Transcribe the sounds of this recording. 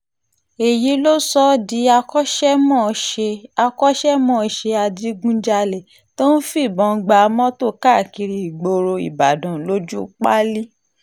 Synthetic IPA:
e˨ji˨˦lo˦sɔ˦di˨˦a˧kɔ˦ʃɛ˦mɔ̃ː˦˨ʃe˧a˧kɔ˦ʃɛ˦mɔ̃ː˦ʃe˧a˧di˦ɡũ˦d͡ʒa˧le˨ | to˦n̩˦fi˦˨bɔ̃˨˧ɡ͡ba˧mɔ̃˦to˦˨ka˦˨ki˧ɾi˧i˨ɡ͡bo˧ɾo˧ḭ˨ba˨dã˨lo˦d͡ʒu˦k͡pa˦li˦

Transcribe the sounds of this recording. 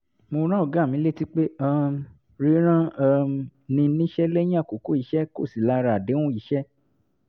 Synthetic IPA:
mo˧ɾ̃ã˦o˨ɡa˦˨mĩ˨˦le˦ti˦k͡pe˦a˦˧ | ɾi˨˦ɾ̃ã˦˧ | nĩ˧nĩ˦ʃɛ˦lɛ˦j̃ĩ˦a˦˨ko˨ko˦i˨˧˦ʃɛ˦ko̰˦˨si˨la˨˦˧ɾa˧˨de˨˦w̃ũ˦i˨˦ʃɛ˦

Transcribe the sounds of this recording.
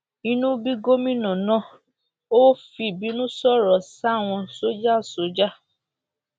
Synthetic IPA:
ĩ˦nũ˦bi˦ɡo˦mĩ˦nɔ̃˨nã˦ | o˦fi˧˨bi˨˦nũ˦sɔ˦˨ɾɔ˨sa˦˨w̃ɔ̃˧so˦d͡ʒa˦˨so˨˦d͡ʒa˦

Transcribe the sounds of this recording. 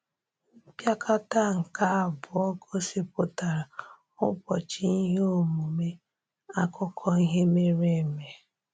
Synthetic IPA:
m̩˦pja˦kʰa˦ta˦ŋ̩˨ka˦a˨bʊ˨ɔ˦ɡo˦si˦pʊ˦ta˨ɾa˨ | ʊ̰˦bɔ˨t͡ʃi˦i˦ɦe˦o˦˨mu˨me˦ | a˦kʊ˦kʰɔ˦i˦ɦe˦me˦ɾe˦˨me˨

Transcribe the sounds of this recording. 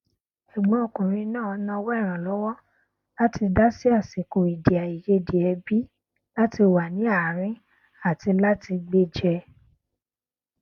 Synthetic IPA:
ʃi˨ɡ͡bɔ̃˨˦o˨kũ˨ɾ̃ĩ˧nãː˦˨˧nã˧wɔ˦ɛ˦˨ɾ̃ã˨lɔ˨˦wɔ˦ | la˦ti˧da˦si˦a˦˨si˨ko˨i˨di˨a˨i˨je˧di˨ɛ˧bi˦ | la˦ti˧wa˨nĩ˨˦a˦˨ɾ̃ĩ˦ | a˦˨ti˧la˦ti˧ɡ͡be˧d͡ʒɛ˧

